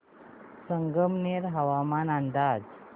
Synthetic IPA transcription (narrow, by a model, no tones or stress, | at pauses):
səŋɡəmneɾɦəʋamanand̪ad͡z